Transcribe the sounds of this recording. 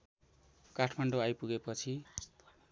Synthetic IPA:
kaʈʰmaɳɖoajpuɡepʌt͡sʰi

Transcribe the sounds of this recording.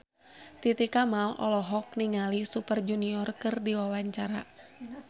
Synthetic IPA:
t̪it̪ikamalɔ̰lɔɦɔk̚niŋalisupərd͡ʒuniɔrkɨrdiwawaɲt͡ʃaɾa

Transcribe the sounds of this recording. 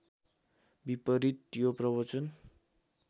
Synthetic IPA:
bipʌɾit̪joprʌbʌt͡sʌn

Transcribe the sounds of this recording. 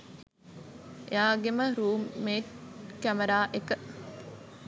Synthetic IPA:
ʔḛaːɡeməɾuːmːeːʈkæmeɾaːʔekə

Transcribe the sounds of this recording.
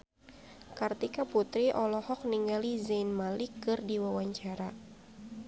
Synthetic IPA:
kart̪ikaput̪ɾiʔɔlɔhɔk̚niŋɡalizanmalikːɨrdiwawaɲt͡ʃaɾa

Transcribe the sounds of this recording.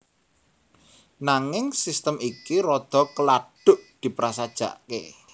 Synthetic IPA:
naŋɪŋsist̪əmikiɾɔd̪̥ɔ̤kəlaɖ̥ʊ̤ʔd̪̥i̤pɾasad̥ʒ̥a̤̰ʔkḛ

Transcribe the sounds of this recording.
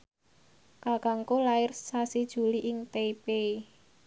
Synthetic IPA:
kakaŋkolaɪrsasid̥ʒ̥ṳliʔɪŋt̪eipe

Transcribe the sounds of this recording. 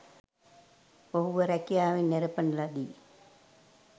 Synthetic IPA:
poɦuʋəɾækijaːʋinːeɾəpənəlad̪iː

